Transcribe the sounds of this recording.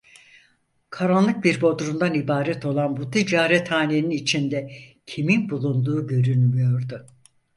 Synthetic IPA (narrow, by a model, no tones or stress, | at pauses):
kʰaɾanlˠɯk̚biɾbo̞d̪ɾund̪anibaːɾɛt̪ʰo̞lˠanbut̪ʰid͡ʒaːɾɛt̪haːneninit͡ʃʰind̪ɛcʰiminbulˠund̪uːɟø̞ɾynʲmyjo̞ɾd̪ʊ